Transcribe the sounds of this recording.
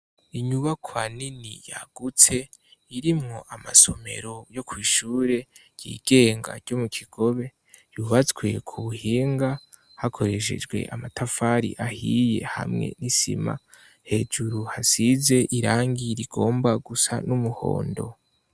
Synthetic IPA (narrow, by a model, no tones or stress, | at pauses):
iɲuβakʰwaninḭja̰ɡ̥ut͡se̞iɾimŋo̞ʔamaso̞me̞̰ɾo̞jo̞kwiːʃuːɾe̞ɾj̥ḭːɡ̥e̞ːŋɡa̰ɾɟo̞mukʰiɡ̥o̞βe̞ | juβat͡sɡwe̞̰kʰuβuhiːŋɡa | hakʰo̞ɾe̞ʃ̬e̞̰d͡ʒɡwe̞̰ʔamatafaɾḭʔahije̞̰ha̰mŋe̞̰nisḭma̰ | he̞d͡ʒuɾuhasize̞ʔiɾaːŋɡiɾiɡo̞ːmbaɡusa̰numuho̞̰ːndo̞̰